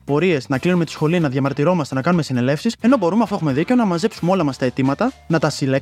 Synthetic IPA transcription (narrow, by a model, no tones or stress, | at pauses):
po̞ɾie̞znɐklinumet̪i̥sxo̞linɐðʝɐmɐɾt̪iɾo̞mɐst̪e̞nɐkɐnume̞sine̞le̞fsise̞no̞bo̞ɾumeɐft̪oe̞xumeðicenɐmɐze̞psumeo̞lɐmɐst̪ɐe̞t̪imɐt̪ɐnɐt̪ɐsile